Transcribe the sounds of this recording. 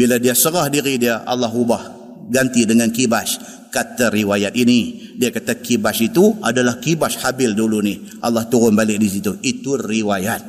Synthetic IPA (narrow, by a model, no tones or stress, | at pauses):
biladiasəɾahdiɾidiaʔa̰lːɑɦubah | ɡant̪idəŋankibaʃ | kat̪aɾiwajat̪̚inidiakat̪akibaʃit̪ua̰dalahkibashabɪlduluni | ʔa̰lːaht̪uɾʊnbalɪk̚dis̬it̪uʔit̪uriwajat̪̚